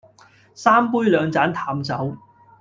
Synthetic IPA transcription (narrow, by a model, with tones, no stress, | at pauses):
saː˥mpuː˥jlœː˨˧ŋt͡saː˨˥nt̪ʰaː˧mt͡sɐ˨˥w